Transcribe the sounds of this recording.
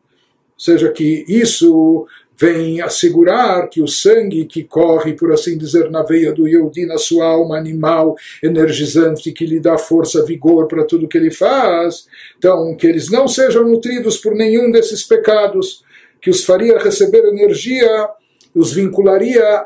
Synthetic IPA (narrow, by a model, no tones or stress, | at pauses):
seʒɐkɪisʊ | vẽj̃asɪɡuɾaɾkɪʊsɐ̃ŋɡɪkɪkɔʁɪpoɾasĩd̪izeɾnɐvejɐd̪ʊewd̪inɐsuɐawmɐːnimaweneɾʒizɐ̃nt̪ɪkɪlɪd̪afoɾsɐviɡoɾpɾɐt̪ud̪ʊkɪelɪfas | t̪ɐ̃w̃kɪelɪznɐ̃w̃seʒɐ̃w̃nut̪ɾid̪ʊspʊɾnẽɲũd̪esɪspekad̪ʊs | kɪʊsfaɾiɐʁesebeɾeneɾʒiɐ | ʊzvĩŋkulaɾiɐ